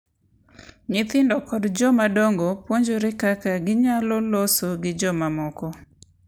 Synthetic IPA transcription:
ɲɪt̪ɪndɔkɔdd͡ʒɔmadɔŋɡɔpwoɲd͡ʒoɾɪkakaɡɪɲalɔlosoɡɪd͡ʒɔmamɔkɔ

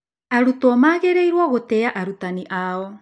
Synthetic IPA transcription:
aɾutɔmaːɣeɾeiɾwaɣotɛaʔaɾutaniʔaɔ

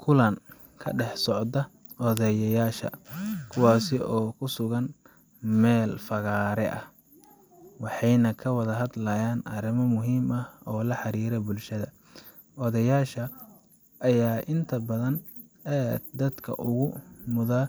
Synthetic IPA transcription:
kʰʊlɐn | kʰɐ̰ɖɛħsɔʕd̪ɐ | ɔðɐjɐjaːʃɐ̰kʰʊwɑːsɪɔːkʰʊsʊɣɐn | mɛːlfɐɣaːɾɛʔɐh | wɑħɑjnɐkʰɐwɐðɐɦɐd̪lɐjaːnɐɾɪmɔmʊɦiːmɐhɔːlɐħɑɾiːɾɛbʊlʃɐðɐ | ʔɔðɐjaːʃɐ | ʔɐjaːʔɪnt̪ʰɐbɐðɐn | ɛd̪ɐd̪kʰɐ̰ʔʊɣʊmʊða

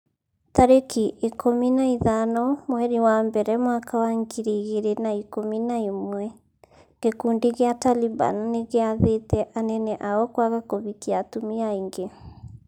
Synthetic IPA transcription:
taɾekiʔekʰominaiðanɔmoɛɾiwambɛɾɛmwakawaŋɡiɾiɣeɾenaikominaimwɛ | ŋɡ̥ekuːndiɣeataliba̰nːeɣeaðetɛʔanɛnɛʔaɔkwaɣakoβikiatumiaiŋɡe

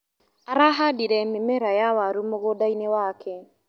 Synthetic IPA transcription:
aɾaɦadiɾɛmemɛɾajawaɾumoɣodainewaːkʰɛ

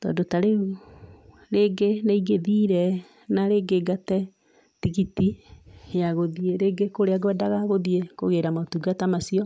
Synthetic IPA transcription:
tɔ̰ːndotaɾeɣu | ɾeɡenaiɡeðiɾɛ | naɾeɡeɡatɛ | tiɣitijaɣoðieɾeːɡekoɾeaɡwɛdaɣaɣoðiekoɣeɾamatuɡatamasiɔ

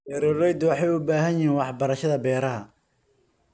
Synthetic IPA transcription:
ɛɾɔlɛjd̪wɑħɑjʊbaːɦɐjjɪɦiːnwɑħbɐɾɐʃɐðɐbɛːɾɐɦɐ

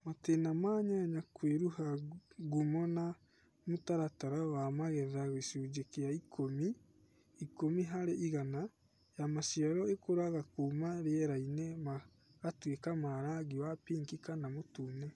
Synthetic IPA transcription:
matenamaːɲaɲakweɾuhaɡumɔna | mutaɾataɾawamaɣɛðaɣesud͡ʒekejaikʰomi | ikomiɦaɾeʔiɣana | jamaʃiaɾɔekoɾaɣakuːmaɾeɛɾainɛma | ɣatwekamaɾaɣiwapiːŋkikanamotunɛ

